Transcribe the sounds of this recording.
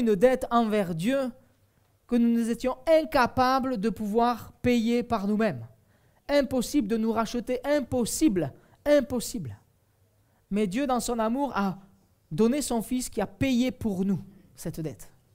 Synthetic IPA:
ynd̪ɛt̪ɑ̃vɛʁd̪jø | kənunuzet̪jɔ̃ɛ̃kapabləd̪əpuvwaʁpejepaʁnumɛm | ɛ̃pɔsibləd̪ənuʁaʃət̪eʔɛ̃pɔsibl | ɛ̃pɔsibl | mɛd̪jød̪ɑ̃sɔ̃namuʁa | d̪ɔnesɔ̃fiskʲiapejepuʁnusɛt̪d̪ɛt̪

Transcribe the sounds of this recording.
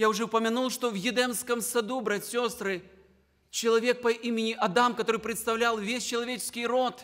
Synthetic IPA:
jawʐɛwpɐmʲanulˠʂt̪ɔwjʲɪd̪ɛmskɐmsad̪ubɾat͡sʲsʲɔst̪ɾɨ | t͡ʃɐlˠavʲɛk̚pɐʔimʲɪnʲiʔad̪amkaɐt̪ɔɾɨpɾɨt̪st̪awlʲalˠvʲesʲt͡ʃɐlˠavʲet͡ʃɪ̥skʲijɾɔt̪

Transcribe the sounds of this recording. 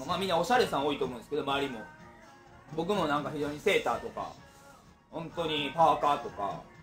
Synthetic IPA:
maːmʲĩnːao̞ɕaɾe̞são̞it̪omõnesɨ̥ked̪o̞maːɾʲimo̞̰ | bo̞k̬ɯ̟mo̞nãŋkaçiʑo̞ːɲ̟ise̞ːt̪aːt̪o̞ka̰ | hõ̞nt̪o̞ɲ̟ipaːkaːt̪o̞ka̰

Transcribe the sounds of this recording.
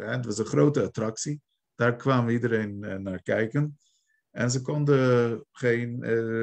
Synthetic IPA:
ɛətʋɑsənχrowtəatrɑksi | d̥aːɹkʋaːməidəɾejnnːaːɹkɛjkən | ɛnzəkɔndəχejn

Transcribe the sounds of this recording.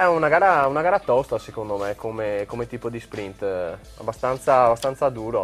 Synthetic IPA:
ɛunaɡaːɾaunaɡaːɾat̪ɔst̪asekond̪omekʰomekomet̪iːpod̪ispɾint̪ | a̰bːast̪ant̪saːbast̪ant̪sad̪uːɾo

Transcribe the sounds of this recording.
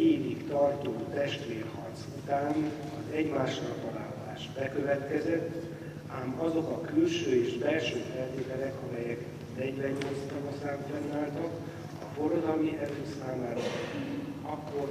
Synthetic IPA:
eːvikt̪ɒrt̪oːt̪ɛʃt̪ʋeːrhɒrt̪sut̪aːn | ɒzɛɟmaːʃnɒpːɒlaːlːaːʒbɛkø̞vɛt̪kɛzɛt̪ː | aːmɒzo̞kɒkylʃøːeːʃbɛlʃøːfɛlt̪eːt̪ɛɾɛkɒmɛjɛk | d̪ɛɟvɛɲːoːst̪ɒnosaːɡɟɛnːaːlt̪ɒk | ɒfo̞rod̪ɒlmiɛfysaːmaːɾɒ | ɒkːo̞r

